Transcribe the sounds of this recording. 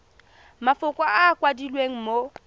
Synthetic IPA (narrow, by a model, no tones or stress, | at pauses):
mafʊkʼwaaːkʼwadilweŋ̩mo